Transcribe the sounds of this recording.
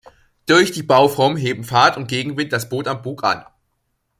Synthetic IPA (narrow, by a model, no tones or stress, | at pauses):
d̥ʊɐçd̥iːbaʊfʁ̥ɔɐmɦeːbm̩faːɐtʊnt̚ɡ̥eːɡŋ̩vɪntd̥asb̥oːtambuːkʰʔa̰n